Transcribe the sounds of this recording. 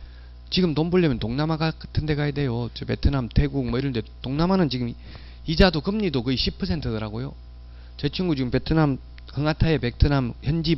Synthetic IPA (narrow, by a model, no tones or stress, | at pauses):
t͡ɕiɡɯmtombɯɭːimjʌntoŋnamaɡaktʰɯnde̞ɡajedejot͡ɕɯpe̞tʰɯnamtʰe̞ɡuk̚mʌiɾʌndetoŋnamanɯnt͡ɕiɡɯm | id͡ʑadokɯmɲidokɯiɕʰipʰʌsʰe̞ntʰɯdɯɾaɡojo | t͡ɕe̞t͡ɕʰuŋɡut͡ɕiɡɯmpe̞tʰɯnam | hɯŋatʰaepek̚tʰɯnamçjʌnd͡ʑi